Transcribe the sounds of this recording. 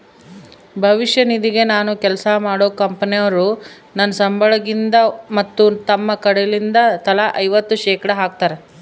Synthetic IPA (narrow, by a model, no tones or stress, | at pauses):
bʱɐʋiʃjɐnid̪iɡe̞naːnukɛlɐsɐmaːɽoːkɐmpɐnijɐʋɐɾu | nɐnːɐsɐmbʱɐɭɐɡind̪ɐmɐt̪ːut̪ɐmːɐkɐɽelind̪ɐt̪ɐlaʔɐjʋɐt̪ːuʃɛːkɐɽɐɦaːk̚t̪aːɾe